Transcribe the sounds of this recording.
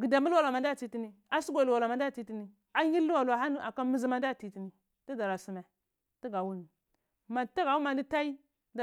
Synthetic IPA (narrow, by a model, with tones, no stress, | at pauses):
ɡi˨da˨mi˦lwa˨la˨ma˨nda˦˨ti˨ti˦ni˨a˦su˦ɡʷa˨lu˨wa˨la˨ma˨nda˦˨ti˨ti˦ni˨ | a˦ɲi˦u˦wa˨la˨ɦa˦n˦a˨ka˦mi˦zi˦ma˦nda˦˨ti˨ti˨ni˨ | ti˦da˨ɾa˨su˨me˨ | ti˦ɡa˨wu˦ni˨ | ma˨ta˦ɡa˨wu˦ma˨ni˦ta˦i˦ | da˨